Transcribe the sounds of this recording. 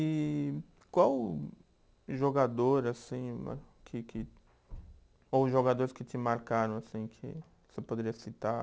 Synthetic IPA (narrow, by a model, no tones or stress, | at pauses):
ɪ | kwaw | ʒoɡad̪oɾasĩa̰ | kʰɪkʰɪ | owʒoɡad̪oɾɪskɪt̪ɪmaɾkaɾɐ̃w̃asĩkʰɪ̰ | sepod̪eɾiɐsit̪a